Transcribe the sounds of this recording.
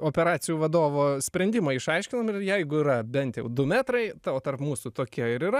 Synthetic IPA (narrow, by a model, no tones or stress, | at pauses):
oːpʲɛɾɑːsʲɪjuːʋɐd̪oːʋoːsʲpʲɾʲɛnʲd̪ʲɪmɐɪʃɐɪʃʲkʲɪnomɪrjɛɪɡʊiːɾɐbʲɛnʲt̪jɛʊd̪ʊmʲæːt̪ɾɐɪt̪ɑoːt̪ɐrpmuːsʊt̪oːkʲiɛɪɾɪɾɐ